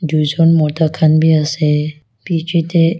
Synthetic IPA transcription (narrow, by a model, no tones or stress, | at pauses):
d̪ʱud͡ʒonmɔʈ̪akʰanbʱiəse | pit͡ʃit̪e